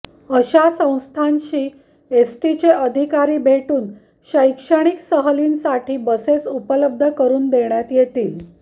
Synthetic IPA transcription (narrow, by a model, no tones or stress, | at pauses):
əɕasə̃w̃st̪ʰanɕiː | esʈit͡ɕeʔəd̪ʱikaɾiːbʱeʈuːn | ɕəjkʂəɽ̃iksəɦəliːnsaʈʰiːbəsesupələb̚d̪ʱəkəɾuːnd̪eɳjat̪jet̪iːl